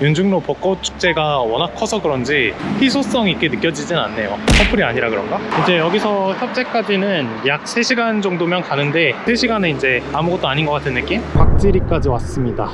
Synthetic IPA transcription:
jund͡ʑɯŋnopʌk͈ot͡ɕʰu̥k̚t͡ɕ͈e̞ɡawʌnakʰʌsʰʌɡɯɾʌnd͡ʑiɸʰisʰos͈ʌŋik͈e̞nɯk͈jʌd͡ʑid͡ʑinna̰nːe̞josʰʌpʰɯɾiaɲiɾakɯɾʌnɡaind͡ʑe̞jʌɡisʰʌçjʌp̚t͡ɕ͈e̞k͈ad͡ʑinɯnjak̚s͈ʰe̞ɕʰiɡand͡ʑʌŋdomjʌnkanɯnde̞sʰe̞ɕʰiɡanɯind͡ʑe̞amuɡʌt̚t͈oaɲinɡʌk͈atʰɯnːɯk͈impak̚t͡ɕ͈iɾik͈ad͡ʑiwas͈ɯmɲida̰

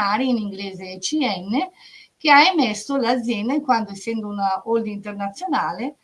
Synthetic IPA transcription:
aːɾiiniŋɡleːzeːt͡ʃiɛnːek̟eaemɛsːolad̪zːjɛnd̪aiŋkwand̪oesːɛnd̪ounaold̪int̪ernat̪sːjonaːle

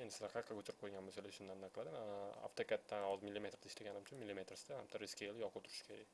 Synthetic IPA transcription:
end̪ɪsɪlaɾqʰaɾqʰːɑkʰot͡ʃʰɪɾɪp̚qʰojɡʲanmosalaʃʊnd̪anːaqlad̪ɪma̰ft̪okʲat̪ːanɒzmilʲːime̞t̪ɾd̪aɪʃlaɡʲanɪmt͡ʃʰʊnmilːime̞t̪ɾɪsɪ̥d̪ahamt̪ʰaɾɪskʲeljɒqʊwt̪ʰʊɾɪ̥ʃkʰʲeɾaj

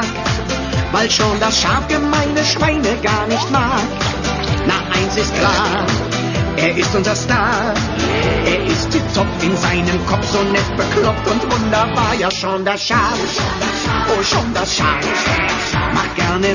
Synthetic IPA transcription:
kt | vaɪlʃoːndasʃaɐfɡ̥əmaɪnəʃv̥aɪnəɡaːɐnɪçtmaːkt | naʔaɪnsɪst̚kʰl̥aː | ʔeːɐʔɪstʊnzɐstaɐ | ʔeːɐʔɪst̚d̥eːt͡sɔpɪnzaɪnəmkʰɔfz̥oːnɛt̚b̥əkʰlɔptʊntv̥ʊndɐbaːɐjaːʃoːndasʃaɐf | voːʃoːndasʃa̰ɐf | ma̰χt̚ɡ̥ɛɐnə

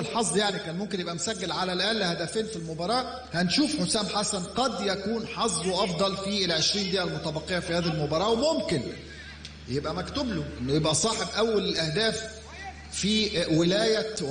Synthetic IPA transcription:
lħɑsˤd̪ˤjaʕnikæːnmomk̬enjebʔæmʊsæɡːelʕalælʔæːnlɪhæd̪æfeːnfilmobɑɾˤɑːʔ | hænʃuːfħosæːmħasænqɑd̪jækuːnħɑsˤd̪ˤwʔɑfd̪ˤɑlfilʕeʃɾiːnd̪iːʔælmot̪æbɑqːejæfihæːðælmobɑɾˤɑːwemomkɪn | jebʔæmækt̪ʊbloʔenːʊjebʔæsˤɑːħebʔæwːælɪlʔæhd̪æːf | fiwɪlæːjæ

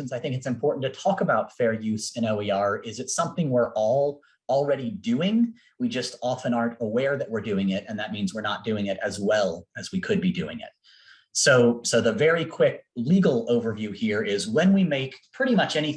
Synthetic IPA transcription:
n̩zaɪθɪ̃ŋkɨtsɨ̃mpʰɔɹʔn̩tɨtʰɔkəbaʊtfɛɹjʉsɨ̃ñoʊiɑɹɪzɨtsʌ̃mθɪ̃ŋwɪɹʔɔlˠ | l̩ˠɹɛɾidʉɪ̃ŋ | wid͡ʒʌstɑfɨ̃nɑɹntəwɛɹðɨʔ̚wəɹdʉɪ̃ŋɪɾɨ̃nðɨt̚mĩnzwəɹnət̚d̥ʉɪ̃ŋɪɾɨzwɛlˠɨzwikʰɨd̚bidʉɪ̰̃ŋɪ̰t̚ | soʊsoʊðəvɛɹikʰw̥ɪk̚liɡl̩ˠoʊvə˞vjʉhiɹɪzwɨ̃nwimeɪkpʰɹ̥ɪɾimʌt͡ʃɛñi

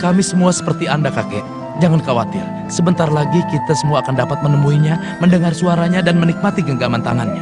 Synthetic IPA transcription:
kamisəmuasə̥pərt̪iandakakɛʔ | d͡ʒaŋankawa̰t̪ɪ̰r | səbənt̪aralaɡikit̪asəmuaːkandapat̪̚mənəmuiɲa | məndəŋarsuaɾaɲadanmənik̚mat̪iɡəŋɡamant̪a̰ŋa̰nɲa

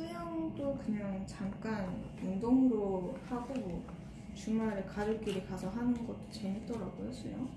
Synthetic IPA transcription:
sʰɯjʌŋdokɯɲaŋt͡ɕamk͈an | undoŋɾohaɡomwʌ | t͡ɕumaɾɯɭkaɾɯɭk͈iɾikasʰʌɦanɯnɡʌt̚t͈o̥t͡ɕe̞ɲit͈ʌɾaɡohe̞s͈ʌjo

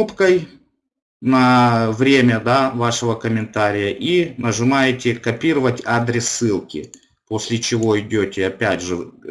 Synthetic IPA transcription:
upkəj | nɐvɾʲemʲəd̪avaʂɨvəkəmʲɪnt̪aɾʲɪjəʔinəʐɨmajɪtʲɪkɐpʲiɾəvətʲad̪ɾʲɪsːɨlˠkʲɪ̰ | po̞sʲlʲɪt͡ɕɪvo̞ɪdʲotʲɪɐpʲædʲʐɨ

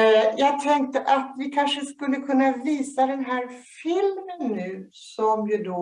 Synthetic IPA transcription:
jɑːɡ̚t̪ʰɛŋk̚t̪əʔat̪vɪkʰanʂəskɵlːəkʰɵnːaviːsad̪ɛnɦæːɾfɪlmənːʉ̟ː | sɔmjɵd̪ɔ

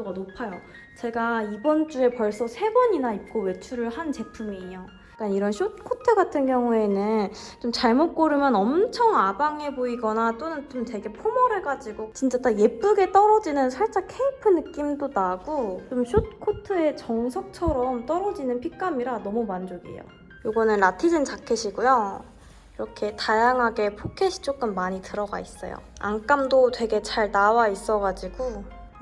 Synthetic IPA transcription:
oɡanopʰajo | t͡ɕe̞ɡaibʌnt͡ɕ͈ue̞pʌɭs͈ʌsʰe̞bʌɲinaip̚k͈owe̞t͡ɕʰuɾɯɭhant͡ɕe̞pʰumijo | k͈aniɾʌnɕʰot̚kʰotʰɯɡatʰɯnkjʌŋue̞nɯnt͡ɕomt͡ɕaɭmot̚k͈oɾɯmjʌnʌmt͡ɕʰʌŋabaŋe̞boiɡʌnat͈onɯnt͡ɕomte̞ɡe̞pʰomʌɾɯɭɡad͡ʑiɡot͡ɕint͡ɕ͈ataje̞p͈uɡe̞t͈ʌɾʌd͡ʑinɯnsʰaɭt͡ɕ͈akʰeipʰɯnɯk͈imdodaɡot͡ɕomɕʰut̚kʰotʰɯe̞t͡ɕʌŋsʰʌk̚t͡ɕʰʌɾʌmt͈ʌɾʌd͡ʑinɯnpʰik͈amiɾanʌmumand͡ʑoɡḭjo̰ | joɡʌnɯnɾatʰid͡ʑint͡ɕakʰeɕʰiɡojo | iɾʌkʰe̞tajaŋɦaɡe̞pʰokʰeɕʰi̥t͡ɕ͈ok͈ɯmːaɲitɯɾʌɡa̰is͈ʌ̰jo̰ | a̰nk͈amdotwe̞ɡe̞t͡ɕaɭnawais͈ʌɡad͡ʑiɡo

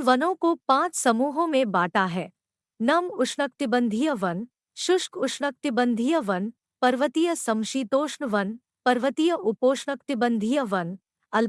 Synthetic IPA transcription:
ʋɐnõkopãːt͡ʃsɐmuːɦõmẽbaːʈaɦɛː | nɐmʊʃnək̚t̪ɪbə̃nd̪ʱijəʋɐn | ʃʊʃkʊʃɳək̚t̪ɪbə̃nd̪ʱijəʋɐn | pɐɾʋət̪ijəsɐmʃiːt̪oːʃɳəʋɐn | pɐɾʋət̪ijəʔʊpoːʃɳək̚t̪ɪbə̃nd̪ʱijəʋɐn | ɐl

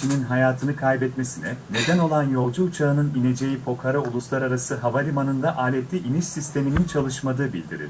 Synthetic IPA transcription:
ininɦajaːt̪ʰɯnɯkʰajbɛt̪me̞sinɛne̞d̪æno̞lˠanjo̞lˠd͡ʒuːt͡ʃʰaɯnɯnine̞d͡ʒe̞jipʰo̞kʰaɾaulˠuslˠaɾaɾasɯɦavaɾʲimanɯnd̪aʔaːlʲet̪lʲiʔiniʃsist̪ʰe̞minint͡ʃʰalˠɯʃmad̪ɯːbḭlʲd̪iɾḭlʲ

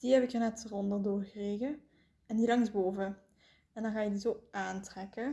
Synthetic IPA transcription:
d̥iɦɛbɪkənɛtərɔndədʊːrɣəreːɣə | ɛndilɑŋzboːvə | ɛndɑnɣaːjədizoːʔaːntrɛkə

